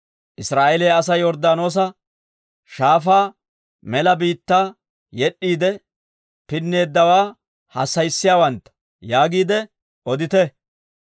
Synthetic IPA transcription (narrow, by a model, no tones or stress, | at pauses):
ʔɪsɾaːʔɛleːɐs̬ɐjɔɾd̪aːno̞ːs̬ɐ | ʃaːfaː | mɛlɐbiːt̪ːaː | jɛɗːiːd̪ɛ | pɪnːe̞ːd̪ːɐwaː | hɐsːɐjsːɪjaːwɐnt̪ːɐ̥ | jaːɡiːd̪ɛ | ʔɔd̪ɪt̪ɛ